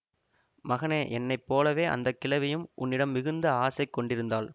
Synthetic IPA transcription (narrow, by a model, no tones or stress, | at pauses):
mɐɣɐneːʔɛnːɐɪpːoːlɐʋeːʔɐ̰nd̪ɐkːɪlɐʋɪjɯmʔʊ̰nːɪɽɐmːɪɣɯnd̪ɐaːsɐɪkːɔɳɖɪɾɯnd̪aːl